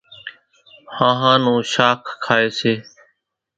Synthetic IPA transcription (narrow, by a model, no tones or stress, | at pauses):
hãːɦãːnũːʃaːkʰkʰːaːeːseː